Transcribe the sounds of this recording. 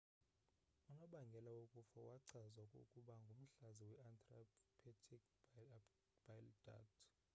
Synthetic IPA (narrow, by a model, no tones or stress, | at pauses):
unɔɓaŋɡʱɛlawokʼufawaǀazwakʼo̰kʼuɓaŋɡʱum̩ɬaziwɛantʼrapʰɛtʰikʰ | b̥ajlda̰ktʰʼ